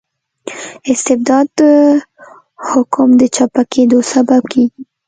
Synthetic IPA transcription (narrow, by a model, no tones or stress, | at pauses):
ɪst̪ɪbd̪ɑd̪ | hʊkʊmd̪ət͡ʃapakʰed̪osabab̚kʰeɡi